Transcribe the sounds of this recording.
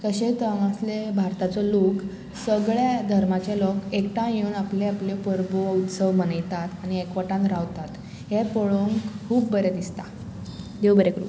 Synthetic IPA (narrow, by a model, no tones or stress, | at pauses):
k̪əɕẽt̪əŋaslebʱaɾt̪at͡sɔlok | səɡɭjad̪ʱəɾmat͡ɕelɔkekʈãjunapleaplepəɾbout̪səʋmənajt̪at̪añiekʋəʈãnt̪ɾaʋt̪at̪ | ɦepəɭoŋkkʰuːbːəɾjad̪ist̪a | d̪ebəɾekɾṵ